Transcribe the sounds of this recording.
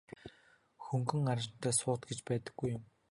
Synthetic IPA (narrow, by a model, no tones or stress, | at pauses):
xɵŋɡɘ̆ŋarɪ̆nt̪ʰœːsʊːt̪ɡet͡ɕpæːt̪ə̆ɡ̥ːujːʊm